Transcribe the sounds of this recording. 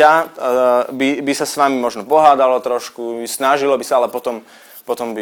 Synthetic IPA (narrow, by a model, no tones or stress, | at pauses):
a | bibisasʋamimɔʒnɔpɔɦaːd̪alɔt̪ɾɔʃkusnaʒilɔbisaalɛpɔt̪ɔm | pɔt̪ɔmbi